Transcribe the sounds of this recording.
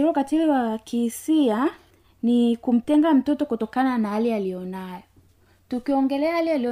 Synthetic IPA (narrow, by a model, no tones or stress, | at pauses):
iɾɔkatiliwakisia | nikum̩tɛŋɡam̩tɔtɔkutɔkananahalialijɔnajɔ | tukiɔŋɡɛlɛahalialiɔ